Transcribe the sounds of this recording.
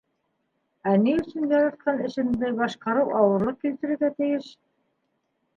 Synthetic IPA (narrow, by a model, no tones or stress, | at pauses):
æniɵ̆sɘnjɑɾɑt̪̚qɑnɘ̆ʃɘ̆nd̪ɘβɑʃqɑɾɤwʔɑwɤ̆ɾˠɤkilt̪ɘ̆ɾɘ̆ɣæt̪ɘ̆jɘʃ